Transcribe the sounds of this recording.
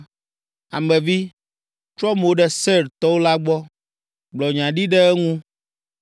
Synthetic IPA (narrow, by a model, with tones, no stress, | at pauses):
a˨mɛ̃˨vi˦ | t͡ʃɾɔ˦m˨wo˦ɖɛ˦sɛ˦˨ɾt̪ɔ˦wo˦la˦ɡ͡bɔ˦ | ɡ͡blɔ˨ɲã˨ɖi˦ɖɛ˦ɛ˦ŋũ˦